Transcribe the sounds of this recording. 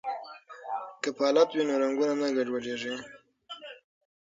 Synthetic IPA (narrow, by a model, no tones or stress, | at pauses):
kəpɑlat̪winoɾaŋɡunanaɡaɖwad͡ʒeʐi